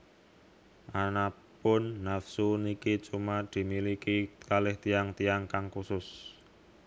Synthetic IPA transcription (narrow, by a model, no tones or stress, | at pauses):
ʔana | pʊnːafsunikit͡ʃumad̪̥i̤milikikalɪht̪iaŋt̪ijaŋkaŋkusʊs